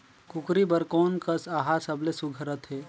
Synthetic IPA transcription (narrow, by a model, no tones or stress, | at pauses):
kʊkɾibəɾkɔːnkəsaɦasəblesuɡʱəɾət̪ɦeː